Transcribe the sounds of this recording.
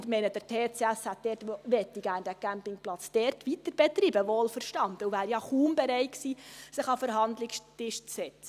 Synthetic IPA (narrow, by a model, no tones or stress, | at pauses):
dmɛɪnəd̥əɾtʰeːt͡seæshæt̚d̥ɛːɾtʋɛtːiɡæːnd̥ækæmpɪŋplɑt͡sd̥ɛːɾtʋitəɾb̥ɛt̪riːbəʋoːlfəɾʃtɑndəuvæːɾjɑχuːmbɛɾɛɪtksiːsɪχɑfəɾɦɑndlɪkstɪʃt͡ssɛt͡st͡sə